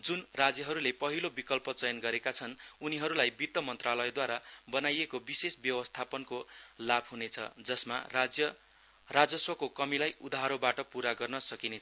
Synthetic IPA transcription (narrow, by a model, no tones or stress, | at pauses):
d͡zunrad͡zjʌɦʌɾulepʌɦilobikʌlpʌt͡sʌjʌnɡʌɾekat͡sʰʌnuniɦʌɾulajbit̪ːʌmʌnt̪ralʌed̪waɾabʌnajekobisesbjʌwʌst̪ʰapʌnkolabʱɦunet͡sʰʌ̰d͡zʌsma̰d͡zjʌ | rad͡zʌswʌkokʌmilajud̪aɦʌɾobaʈʌpuɾaɡʌrnʌsʌkinet͡sʰʌ